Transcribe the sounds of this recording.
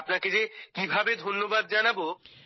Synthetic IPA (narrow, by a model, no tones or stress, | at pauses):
pnaked͡ʑekibʱabed̪ʱonːobad̪̚d͡ʑanabo